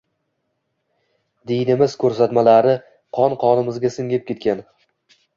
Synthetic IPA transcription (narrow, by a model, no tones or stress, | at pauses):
d̪ejnɪmɪz̥kʰɵɾs̬at̪malaɾɪ | qʰɒnqʰɒnɪmɪzɡʲasɪŋɡʲɪp̚kʲe̞t̪̚kʲan